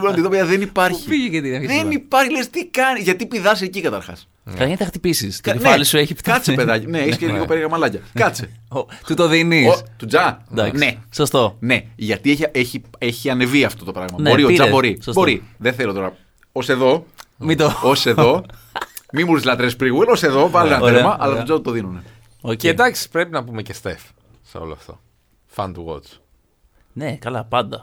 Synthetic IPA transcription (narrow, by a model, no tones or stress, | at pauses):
lɐnit̪opeɐðenipɐɾçiiʝiet̪ieðenipɐɾçilest̪ikɐniʝɐt̪ipiðɐs̬icikɐt̪ɐɾxɐ̰s | kɐçenθɐxt̪ipisisnelisueçikɐt͡sepe̞ðɐcineeçisceilikopeɾɣɐmɐlɐcɐkɐt͡set̪ut̪oðiniot̪ud͡zɐd̪ɐknesost̪one̞ʝɐt̪ieçeçieçiɐne̞viɐft̪o̞t̪o̞pɾɐɣmɐnbo̞ɾɾioɐbo̞ɾisbo̞ɾiðeθelot̪o̞ɾɐ | ose̞ðo̞mit̪oose̞ðo̞ | mimuɾizlɐt̪ɾespɾiɣwelose̞ðo̞vɐlinɐt̪eɾmɐʔɐlɐt̪d͡zɐt̪ut̪o̞ðinune | oed̪ɐksi̥pɾepinɐpumecest̪ef | seoloɐft̪o̞̰ | fɐ̰nt̪uɣo̰t͡s | nekɐlɐpɐnd̪ɐ